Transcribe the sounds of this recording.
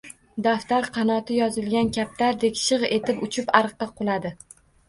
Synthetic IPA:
d̪aft̪aɾqʰɑnɒt̪ʰɪjɒzɪlɡʲankʲʰap̚t̪ʰaɾd̪e̞kʲʃɨʁe̞t̪ʰɪpʊt͡ʃʰɪpɑɾqːɑqʰʊlˠad̪ɪ

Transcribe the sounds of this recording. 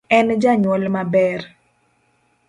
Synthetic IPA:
ɛnd͡ʒaɲwɔlmabɛr

